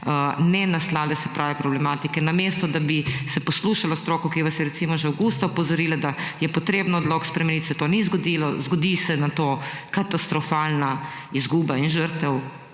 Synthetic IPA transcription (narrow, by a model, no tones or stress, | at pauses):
ənɛnaslaːlɛsɛpɾʔaːʋɛpɾɔblɛmaːt̪ikɛnameːst̪ɔd̪abisɛpɔsluːʃalast̪ɾoːkɔkiʋasjɛɾɛtsimɔʒɛwɡust̪aɔpɔzɔɾiːlad̪ajɛpɔt̪ɾeːbnɔɔd̪loːkspɾɛmɛnit̪sɛt̪onizɡɔd̪ilɔzɡɔd̪isɛnat̪okat̪ast̪ɾɔfalna | izɡuːbainʒəɾt̪ɛw